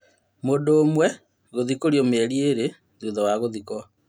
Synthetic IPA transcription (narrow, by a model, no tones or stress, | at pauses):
mondoːmwɛ | ɣoðikoɾjomɛɾieɾe | ðoðɔwaɣoðikɔ